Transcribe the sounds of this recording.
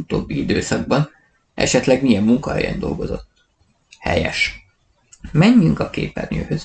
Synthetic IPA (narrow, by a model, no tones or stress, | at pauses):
ut̪oːbːiid̪øːsɒɡ̚bɒn | ʔɛ̰ʃɛt̪lɛɡmijɛmːuŋkɒhɛ̰jɛ̰nd̪o̞lɡo̞zo̞t̪ː | hɛ̰jɛʃ | mɛɲːyŋkɒkḛːpɛrɲʲøːhøz